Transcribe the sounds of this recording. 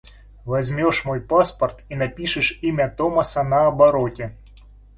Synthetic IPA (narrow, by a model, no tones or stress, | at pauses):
vɐzʲmʲɔʂmɔjpaspɐrt̪inɐpʲiʂɨʂimʲɐt̪ɔmɐsɐnɐːbɐɾɔtʲɪ